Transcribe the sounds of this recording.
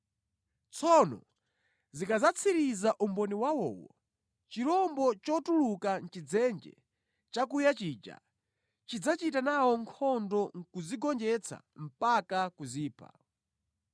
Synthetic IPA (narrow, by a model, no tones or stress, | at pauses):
t͡sʰɔnɔ̰ | zikazat͡sʰiɾizaʔumbɔniwawɔ̰ːwɔ̰ | t͡ʃiɾɔmbɔt͡ʃɔtulukan̩t͡ʃid͡zɛnd͡ʒɛ̰ | t͡ʃakujat͡ʃiːd͡ʒa̰ | t͡ʃid͡zat͡ʃitanawɔŋkʰɔndɔŋkuziɡɔnd͡ʒɛt͡sʰa̰m̩pakakuziːpʰa̰